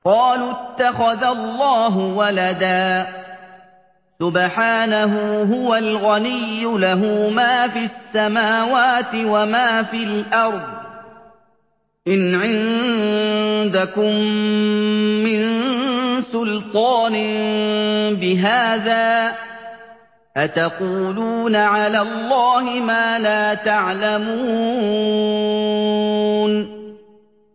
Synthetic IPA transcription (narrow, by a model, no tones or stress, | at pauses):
qɑːluːt̪ːaxaðalˤːɑːɦʊwalad̪aː | sʊbħaːnaɦuːɦʊwalɣanɪjːʊlaɦuːmaːfiːasːamaːwaːt̪ɪwamaːfiːlʔɑɾˤðˤ | ʔɪnʕɪn | d̪akʊm | ɪn | sʊlt̪ˤɑːnɪ | bɪɦaːðaː | ʔat̪ɑquːluːnaʕalaːlˤːɑːhɪmaːlaːt̪aʕlamuː | n